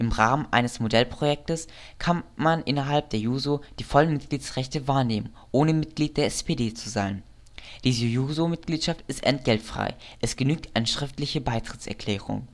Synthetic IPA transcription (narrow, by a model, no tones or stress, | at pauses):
ʔɪmʁaːmənʔa̰ɪnəsmodɛlpʁ̥ojɛk̚təs | kʰanmanʔɪnɐɦalp̚d̥eːɐjuːzod̥iːfɔlənmɪt̚ɡ̥liːtsʁɛçtəvaːɐneːmən | ʔoːnəmɪt̚ɡ̥liːt̚d̥eːɐɛspedeːt͡suzaɪn | d̥iːzəjuːzomɪt̚ɡ̥liːtʃaftɪstʔɛ̰nt̚ɡ̥ɛltfʁ̥a̰ɪʔɛsɡ̥ənyːk̚tʔaɪnəʃʁ̥ɪftlɪçəbaɪtʁ̥ɪtt͡sɛ̰ɐkʰl̥ɛːʁ̞ʊ̰ŋ